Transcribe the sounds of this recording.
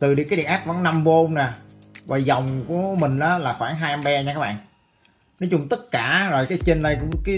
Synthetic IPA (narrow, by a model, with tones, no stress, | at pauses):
t̪ɨ˨˩ɗḭ˨˦kaː˨˦ɗḭ˧˨ʔaː˦˥p̚va̰˧˩˦ŋnːa˧mvo˧nna˨˩ | vaː˨˩zɔ˨˩wŋ͡mku˧˩˦əmï˨˩ŋ̟ʔaː˨˦laː˨˩xwaː˧˩ŋɦaː˧ja˧mɓɛ˧ɲaː˧kaː˦˥ɓa̰ː˧˨ʔ | nɔ˨˦jt͡ɕʊ˧ŋ͡mt̪ə˦˥t̚kaː˧˩zo˨˩jkaː˨˦jt͡ɕe˧nɗə˧jkʊ̰˧˥ŋ͡mkaː˨˦